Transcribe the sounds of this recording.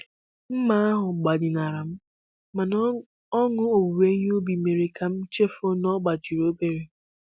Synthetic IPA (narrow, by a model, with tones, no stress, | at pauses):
m̩˦ma˦a˦ɦʊ˨ɡ͡ba˨dɪ˨na˨ɾa˨m̩˦ | ma˨n | ɔ˦ŋʊ˦o˨wu˨ɾe˦ɲ˦o˦bi˨me˨ɾe˨ka˦m̩˦t͡ʃe˦fo˦nɔ˦ɡ͡ba˨t͡ʃi˨ɾo˦be˨ɾe˨